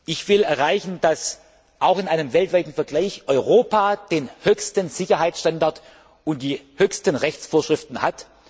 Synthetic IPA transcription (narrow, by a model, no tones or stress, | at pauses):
ʔɪçv̥ɪlɛɐʁaɪçn̩d̥as | ʔaʊxɪnʔaɪnəmvɛltv̥aɪtn̩fɛɐɡlaɪçʔɔʏʁoːpaːd̥eːnhøːçstənz̥ɪçɐɦaɪsʃtandaɐt | ʊnt̚d̥iːhøːçstənʁɛçt͡sfoːɐʃʁ̥ɪftn̩hat